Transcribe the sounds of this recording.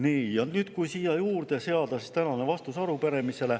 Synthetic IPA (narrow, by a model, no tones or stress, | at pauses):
niːɑnt̪nyːd̪̥kujsiːjɑjuːrd̪eseɑd̪̥ɑsist̪ænɑne̞vɑst̪usɑɾupeɾe̞mise̞le̞